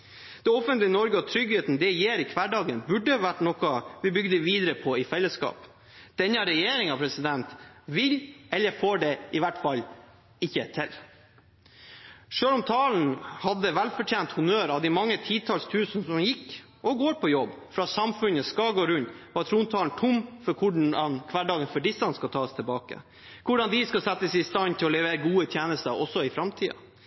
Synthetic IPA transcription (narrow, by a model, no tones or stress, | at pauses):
d̪̥ɛɔfənt̪lɪnɔɾɡəɔt̪ʰɾʏɡheːt̪n̩d̪ɛjeːɾɪkʰʋæɖɑːɡənbʉɖːəʋæʈnɔkɑʋɪbʏɡd̪əʋiːd̪əɾəpʰɔɪfɛlːəskɑ̰ːp | d̪̥ɛnːəɑɾɛjeːɾɪŋɑpʰɾɛsɪd̪ɛnt̪ʋɪlʔɛlːəfoːɖɛʔɪʋæʈfɑl | ɪçːət̪ʰɪl | ʂøːlɔmt̪ʰɑːln̩hɑd̪ːəʋælfɔʈʰjeːnt̪hʊnøːɾɑʋd̪ɛmɑŋːət̪ʰiːt̪ʰɑːlst̪ʰʉːsnəsɔmjɪkː | ɔɡoːɾpʰɔjɔbː | fɾɑsɑmfʉnəskɑɡoːɾʉnt̪ʋɑt̪ʰɾuːnt̪ʰɑːln̩t̪ʰʊmfɔɾkʰʊɖɳɑnkʰʋɑːɖɑːɡənfɔɖɪsːɑnskɑt̪ʰɑːst̪ʰɛbɑːkə̰ | kʰʊɖɑnd̪ɪskɑsɛt̪ːəsɪst̪ɑnt̪ʰɪlɔlɛʋeːɾəɡuːət̪ʰjeːnəst̪əʔɔsːɔɪfɾɑmt̪ʰiːɑ̰